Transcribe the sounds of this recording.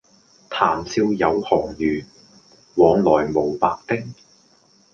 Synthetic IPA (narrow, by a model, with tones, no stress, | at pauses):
t̪ʰaː˨˩msʰiː˧wjɐ˨˧whɔː˨˩ŋjyː˨˩n | wɔː˨˧ŋlɔː˨˩jmo˨˧wpa̰ː˨˧k̚t̪ɪ˥ŋ̚